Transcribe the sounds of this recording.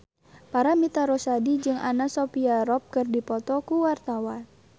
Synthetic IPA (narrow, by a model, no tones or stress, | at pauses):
paɾamit̪aɾosadid͡ʒɨŋanasopiaɾɔp̚kɨrdipɔt̪ɔkuwart̪awan